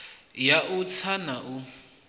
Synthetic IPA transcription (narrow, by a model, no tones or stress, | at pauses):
jaʔut͡sʰanaʔu